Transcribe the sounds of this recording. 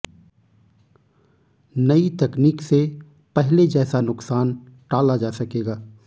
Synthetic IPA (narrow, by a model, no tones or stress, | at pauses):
nɐit̪ɛkniːkse | pɛɦled͡ʒɛːsanʊksaːn | ʈaːlad͡ʒaːsɐkeːɡaː